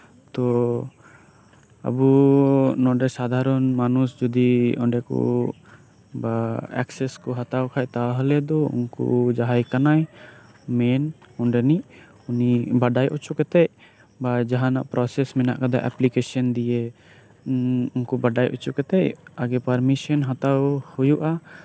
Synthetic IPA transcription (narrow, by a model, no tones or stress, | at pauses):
t̪ɔ | a̰bunɔɖɛsad̪ʱaɾɔnmanusd͡ʒɔd̪iɔ̃ɳɖɛkɔ̰ | baɛ̰ksɛskɔɦat̪awkʰajt̪aɦəlɛd̪ɔṵnkṵd͡ʒaɦajkanaj | mɛnɔɳɖɛniʔ | unibaɖajʔɔt͡ʃukɛt̪ɛʔ | bad͡ʒaɦanaʔpɾɔsɛsmɛna̰ʔkad̪aʔɛ̰plikesɔnd̪ije | unkɔbaɖajʔɔ̰t͡ʃukɛt̪ɛʔaɡɛpaɾmisɔnɦat̪awhujuʔa